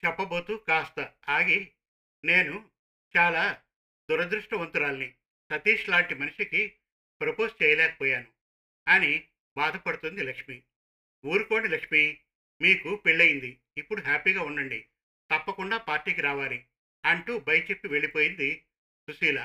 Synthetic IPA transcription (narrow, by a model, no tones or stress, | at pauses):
t͡ʃɛpːɐbo̞ːt̪ukaːst̪ɐaːɡe | ne̞ːnu | t͡ʃaːlaː | d̪uɾɐd̪ɾuʂʈɐʋɐnt̪uɾaːlɐni | sɐt̪iːʂlaːɳʈimɐnuʂiki | pɾɐpoːst͡ʃɛːjɐlɛːkɐ̥pɔːjaːnu | ɐni | baːd̪ɐpɐɽut̪und̪ilɐkʂmi | uːɾuko̞ːɳilɐkʂmi | miːkupiɭːɐjind̪iː | pːuɽuɦaːpiːɡaːuɳɖɐɳɖḭ | t̪ɐpːɐkuɳɖaːpaːɾʈiːk̬iɾaːʋaːli | ɐɳʈuːbɐjɐt͡ʃe̞pːiʋe̞ɭipo̞ːjind̪i | susiːla